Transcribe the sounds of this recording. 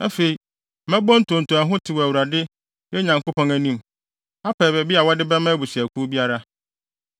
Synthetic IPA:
æ˦fe˨i˨ | mɛ̃˦bɔ̃˦n̩˦tʰõ˨n̩˨tʰʊ̃˨æ˨ɦʊ̃˦tʰɪ˨wɔ˨æ˨wu˨ɾa˨dɪ˦ | jɛ˦ɲã˨ŋko˦pʰɔ̃˦næ˨nĩ˦˨m | a˦pʰɛ˨bɛ˨bi˦a˨wɔ˦dɪ˦bɛ˦mã˦bu˨ɕi˨æ˨kʰu˦bi˦a˦ɾa˦

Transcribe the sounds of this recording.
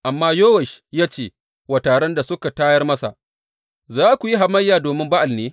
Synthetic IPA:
ʔa˨mːaː˦joː˦wɛ˨ʃjaː˦t͡ʃeː˦˨ | waː˨taː˨ɽɐ˦nda˨sʊ˦ka˨taː˦jɐ˦rmɐ˦sa̰˨ʔ | zaː˦kʷu˨ji˦ɦa˨mɐ˦jːaː˨doː˨mɪ˦mba˦ʔa˨lneː˦

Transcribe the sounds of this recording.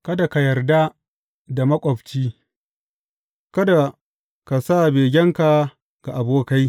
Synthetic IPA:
kɐ˦da˨ka˨jɐ˨rda˦ | da˨mɐ˦kʷʼɔ˨ɸt͡ʃiː˦ | kɐ˦da˨ | ka˨saː˦˨beː˨ɡʲɛ˦ŋka˨ | ɡ̥a˨ʔa˨boː˦ka˦j

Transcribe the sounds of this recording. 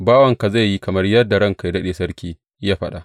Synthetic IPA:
baː˦wɐ˨ŋka˨za˦˨jːi˦kɐ˨mɐ˦rjɐ˦rda˨ɽɐ˦ŋka˨jdɐ˦ɗeː˨sɐ˦rkʲiː˦ | jaː˦ɸɐ˦ɗa˨ʔ

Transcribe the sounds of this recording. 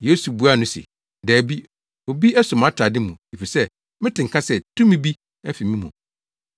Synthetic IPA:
je˨˦su˨bu˨˦a˦˨nʊ̃˦sḭ˨ | dɛː˨bi˦ | o˨bi˦ɛ˦sʊ˨m˦ã˦tʰa˨dɪ˦mũ˨e˨fi˨sɛ˦ | mɪ̃˦tɪ̃˨ŋ̩˨kʰa˦sɛ˨tʰũ˦mĩ˦bi˦ | ɛ˦fi˨mĩ˦mṵ̃˨

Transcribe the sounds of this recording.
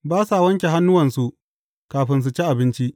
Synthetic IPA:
baː˦sa˨wɐ˦ŋkʲe˨ɦa˦nːʊ˦wɐ˨nsu˦ʔ | kaː˨ɸɪ˦ns̬u˨t͡ʃe˦ʔa˨bɪ˦nt͡ʃi˦ʔ

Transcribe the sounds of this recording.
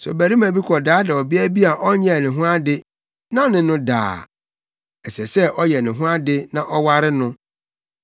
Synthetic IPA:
sʊ̰˨bæ˨ɾi˦mã˨bi˦kʰɔ˨daː˨˦dɪ˨ɔ˨bɪ˦æ˦bi˦a˨ʔɔ˦ɲɛ̃˦˨nɪ̃˨ɦʊ̃˦a˦dɪ˦ | nã˦nɪ̃˨nʊ̃˦da̰ː˨ | ɛ˨sɛ˨sɛ˦ʔɔ˦jɛ˨nɪ̃˨ɦʊ̃˦a˦dɪ˦nã˨ʔɔ˦wa˦ɾɪ˦nʊ̃˦

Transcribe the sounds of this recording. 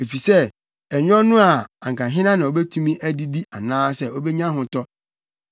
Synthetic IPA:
e˨fi˨sɛ˦˨ | ɛ˨ɲᶣ˦ɔ̃˦nʊ̃˦a˨ã˨ŋkʰã˨ɦɪ̃˦nã˦nã˨ɔ˨˦bɛ˦tʰũ˦mĩ˦ʔæ˦di˦di˦a˨nãː˦sɛ˦˨ɔ˦bɛ˦ɲã˦ɦʊ̃˨tɔ˦

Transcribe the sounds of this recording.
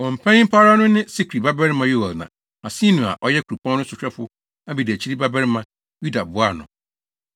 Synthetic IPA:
ɔ˨m̩˨pʰɛ̃˦nɪ̃˦m̩˦pʰa˦ɾa˦nʊ̃˦nɪ̃˦si˦kʰɾi˨ba˦bɛ˦ɾɪ˦mã˨jo˦wa˨lnã̰˨ | a˨sĩ˦nũ˨a̰˨ʔɔ˦jɛ˦kʰu˨ɾu˨pʰɔ̃˦nʊ̃˦sʊ˨t͡ɕᶣɾɛ˦fʊ˦ | a˦bi˨dæ˨t͡ɕʰi˦ɾi˦ba˦bɛ˦ɾmã˨ | ju˦da˨bʊ˨˦a˦˨nʊ̰̃˨

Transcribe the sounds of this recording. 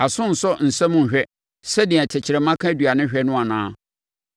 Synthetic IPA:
a˨sʊ̃˦n̩˨sɔ˦n̩˨sɛ̃˦mʊ̃˦˨ɕᶣɛ˦ | sɛ˦dɪ˨ɛ̃˨tʰɪ˨t͡ɕʰɪ˨ɾɛ˨mã˦kʰã˦dɥa˨nʊ̃˦ɕᶣɛ˦nʊ̃˦a˨nãː˦

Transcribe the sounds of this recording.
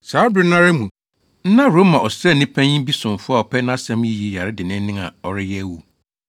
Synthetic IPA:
saː˨˦dɪ˦nã˦ɾɪ˦mũ˨ | n̩˦nã˦ɾo˦mã˨ʔɔ˨sɾɛ˦˨nĩ˦pʰɛ̃˦ɲĩ˦bi˦sʊ̃˨m˨fʊ˦a˨ɔ˨pʰɛ˦nã˦sɛ̃˦m˦ji˦ji˦ja˨ɾɪ˦dɪ˨nɪ̃˦n˦nɪ̃˦ŋa̰˨ɔ˨ɾɪ˦jɛ˦wu˨

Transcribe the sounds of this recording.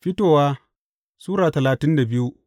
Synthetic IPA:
ɸɪ˦toː˨waː˦ | suː˦ɾaː˨tɐ˨laː˨tɪ˦nda˨bɪ˦ju˦

